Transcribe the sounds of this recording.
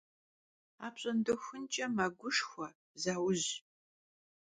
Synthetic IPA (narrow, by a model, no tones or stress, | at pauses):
aːpɕʼɐndɐxʷʊnt͡ʃʼɐmɐɡʷʊʂxʷɐ | zaːwʊʑ